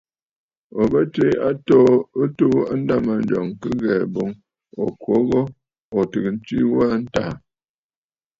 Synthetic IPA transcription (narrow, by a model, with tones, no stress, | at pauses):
ɔ˨bə˦te˦a˦tɔ˦to˦a˦n̩˦da˦˨ma˨n̩˦d͡ʒɔ˨ŋkɨ˦ɣɛ˨bo˨˦ŋ | ɔ˨kwo˨˦ɣɔ˦ | ɔ˨tɨ˨kn̩˦t͡ʃi˦wa˦n̩˦ta˨